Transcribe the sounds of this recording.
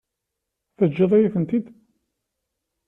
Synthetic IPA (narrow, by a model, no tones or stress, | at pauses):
θəd͡ʒːəðˤæjiθənt̪id̪